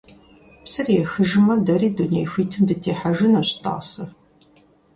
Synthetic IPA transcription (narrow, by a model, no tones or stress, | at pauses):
psɐrjɛxɨʒɪmɐdɐriːdunejxʷiːtʰɨmdɨtʰeːħaʒɪnɐɕtʼa̰ːsɐ